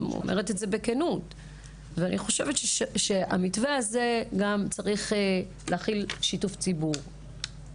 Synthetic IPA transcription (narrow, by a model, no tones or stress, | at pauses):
o̰mʔeʁetetze̞bekenut | veanʔiχo̞ʃe̞vetʃʃea̰mitveaze̞ɡamt͡saʁiχe | leːχilʃituft͡sibuʁ